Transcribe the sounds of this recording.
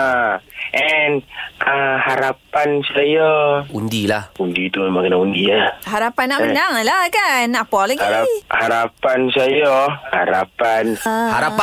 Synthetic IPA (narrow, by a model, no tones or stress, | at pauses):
aʔɛnʔahaɾapansajɔundilahundit̪umakənaundiahaɾapanamənaŋlakanapɔliaɾahaɾapansajɔha̰ɾa̰panhaɾapa